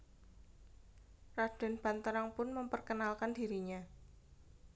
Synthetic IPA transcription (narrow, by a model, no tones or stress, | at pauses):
rad̥a̤nb̥a̤nt̪əɾaŋpʊnməmpərkənalkandiɾiɲa